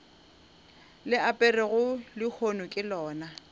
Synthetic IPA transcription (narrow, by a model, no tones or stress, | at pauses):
lɪapʼɛrɪɣʊlɪk͡xʰonʊkʼɪlɔːna